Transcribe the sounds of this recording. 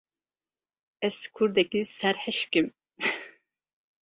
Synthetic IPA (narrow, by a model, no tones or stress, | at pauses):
ɛskʰuɾd̪ɛkʲisæɾhɛʃkʲim